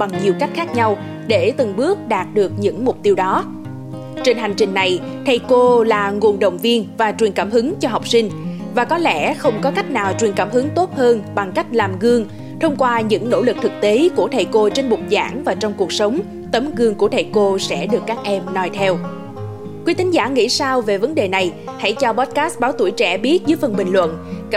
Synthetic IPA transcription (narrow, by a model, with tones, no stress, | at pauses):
ɓa˨˩ŋɲi˨˩əwka˦˥jk̟̚xaː˦˥k̚ɲa˧w | ɗe˧˩t̪ɨ˨˩ŋɓɨ˦˥ək̚ɗaː˨˩t̚ɗɨ˨˩ək̚ɲɨ̰˧˥ŋmʊ˨˩k͡p̚t̪i˧əwɗɔ˨˦ | t͡ɕe˧nɦa˨˩jŋ̟t͡ɕï˨˩ŋ̟na˨˩j | t̪ʰə˨˩jko˧laː˨˩ŋu˨˩ənɗə̰˧˨wŋ͡mvi˧ənvaː˨˩t͡ɕwi˨˩ənkaː˧˩mɦɨ˨˦ŋt͡ɕɔ˧ɦa˨˩wk͡p̚sï˧ŋ̟ | vaː˨˩kɔ˨˦lɛ̰˧˥xə˧wŋ͡mkɔ˨˦ka˦˥jk̟̚naː˨˩wt͡ɕwi˨˩ənkaː˧˩mɦɨ˨˦ŋt̪o˦˥t̚həː˧nɓa˨˩ŋka˦˥jk̟̚laː˨˩mɣɨ˧əŋ | t̪ʰə˧wŋ͡mkwaː˧ɲɨ̰˧˥ŋno̰˧˥lɨ˨˩k̚t̪ʰɨ˨˩k̚t̪e˨˦ku˧˩ət̪ʰə˨˩jko˧t͡ɕe˧nɓʊ˨˩k͡p̚za̰ː˧˩ŋvaː˨˩t͡ɕɔ˧wŋ͡mku˨˩ək̚sə˨˦wŋ͡m | t̪ə˨˦mɣɨ˧˩əŋku˧˩ət̪ʰə˨˩jko˧sɛ̰˧˥ɗɨ˨˩əkːaː˦˥k̚ʔɛ˧mnɔ˧jt̪ʰɛ˧w | kwi˨˦˥t̪ʰï˨˦ŋ̟zaː˧˩ŋḭ˧˥saː˧wve˨˩və˨˦nɗe˨˩na˨˩j | ha̰˧˥jt͡ɕɔ˧ɓɔ˦˥t̚kaː˦˥st̚ɓaː˨˦wt̪ṵ˧˩jt͡ɕɛ̰˧˩ɓi˦˥ət̚zɨː˨˦jfə˧˩nɓï˨˩ŋ̟lwə̰˧˨n